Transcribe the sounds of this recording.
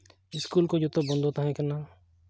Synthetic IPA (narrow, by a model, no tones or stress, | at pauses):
ɪskuːlkod͡ʒot̪obɐ̃nd̪ʱoːt̪aɦɛ̃kɛna